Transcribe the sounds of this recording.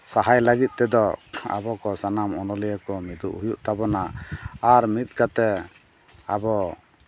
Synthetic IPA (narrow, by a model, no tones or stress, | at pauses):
saɦajlaɡit̪̚ˀt̪ɛd̪ɔa̰bɔkɔsanamɔnɔlɛjəkɔmid̪ṵʔɦujuʔt̪abɔnaaɾmit̪̚ˀkat̪ɛ | a̰bɔ